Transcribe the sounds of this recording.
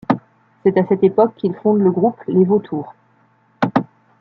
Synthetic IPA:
sɛt̪asɛt̪epɔkʰːilfɔ̃d̪ləɡʁuplevot̪ʰuːʁ

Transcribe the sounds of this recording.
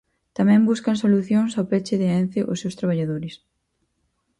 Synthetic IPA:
t̪amɛ̃mbuskɐŋsoluθjoŋsawpɛt͡ʃeðeɛnθɪʔʊsewst̪ɾaβaʎaðoɾɪs

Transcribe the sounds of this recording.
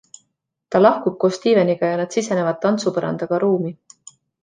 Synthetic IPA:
t̪ɑlɑhkub̥̚ko̞ːst̪iːve̞niɡ̥ɑjɑnɑd̪̥sise̞ne̞vɑd̪̚t̪ːɑnt̪supɤɾɑ̰nd̪̥ɑɡ̥ɑɾuːmi

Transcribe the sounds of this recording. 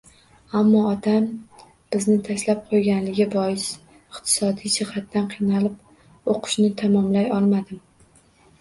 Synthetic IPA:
amːɒɒt̪ʰam | b̥ɪznɪt̪ʰaʃlap̚qʰojɡʲanlɪɡʲɪbɒjɪs | ɪqt̪ʰɪ̥sɒd̪ijd͡ʒɪhat̪ːanqʰɨjnalɪp | oqʰʊ̥ʃnɪt̪ʰamɒmlajɒlˠmad̪ɪm

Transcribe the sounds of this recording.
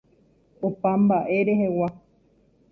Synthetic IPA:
opãmbaʔe̞ɾeɦewa

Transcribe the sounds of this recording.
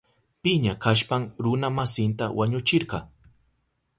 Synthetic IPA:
pɪɲakaʃpaŋɾʊnamasɪnt̪a̰waɲʊt͡ʃɪɾɢɑ

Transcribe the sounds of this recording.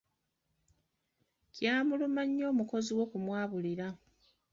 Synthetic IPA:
cjaːmulumaɲːo̞ːmuko̞ziwo̞kumwaːβuliɾa

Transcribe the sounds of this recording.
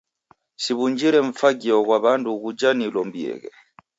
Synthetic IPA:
ʃiβuɲd͡ʒiɾɛɱ̩faɡiɔkwaβandukud͡ʒanilɔmbiɛ̰kɛ̰

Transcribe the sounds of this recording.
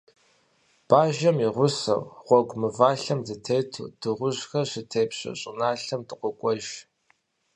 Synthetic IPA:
b̥aːʒɐmiʁʷʊsɐ̰wʁʷɔɡʷʊmɨvaːɬɐmdɨtʰeːtʰṵːd̥ɨʁʷʊʑxɐɕɪtʰeːpɕɐ̰ɕʼɪnaːɬɐmtɨqʷʼʊkʷʼɔʒ

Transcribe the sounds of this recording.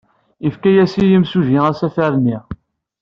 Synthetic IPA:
ifkæjæsijəmsuʒiʁæsæfæɾniʁ

